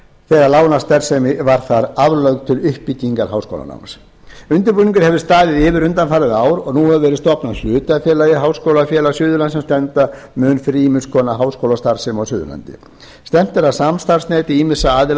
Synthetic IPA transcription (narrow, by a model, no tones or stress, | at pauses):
θɛːɣaɾlaːwnast̪ɛɾ̥sɛmɪvaɾ̥θaɾavlœɥkt̪ʰɪlʏhpic̪iŋkaɾɦawsko̰wla̰na̰wms | ʏnt̪ʏɾpuːniŋkʏɾ̥hɛvðɪst̪aːðɪðɪːvɪɾʏnt̪anfaːɾɪðaːwɾɔɣnuːhɛvʏvɛːɾɪðst̪ɔpnal̥ʏːt̪afjɛːlajɪɦaːwskowlafjɛːlasjʏːðʏlant̪sɛmst̪ɛnt̪amʏnfɾimɪnskʰɔːnaɦaːwskowlast̪aɾ̥sɪmɔɣsʏːðʏ̰la̰nt̪ɪ̰ | st̪ɛm̥t̪ɪɾawsamst̪aɾ̥snɛːt̪iiːmɪsaaːðɪ